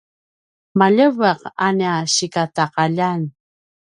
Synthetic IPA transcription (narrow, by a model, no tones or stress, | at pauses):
maʎəvaqanaɕikataqaʎan